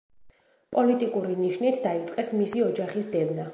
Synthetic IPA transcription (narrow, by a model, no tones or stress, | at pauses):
pʼɔlit̪ʼikʼuɾiniʃnit̪ʰd̪ait̪sʼqʼɛsmisiɔd͡ʒaχisd̪ɛd̪na